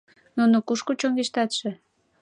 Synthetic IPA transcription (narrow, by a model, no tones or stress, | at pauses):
nunokuʃkut͡ɕoŋɡeʃt̪ɑt̪ʃĕ